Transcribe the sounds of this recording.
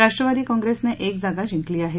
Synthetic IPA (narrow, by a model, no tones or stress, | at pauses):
ɾaʂʈɾəʋad̪iːkɔ̃ŋɡɾesneʔekd͡zaɡad͡ʑĩŋkliːaɦe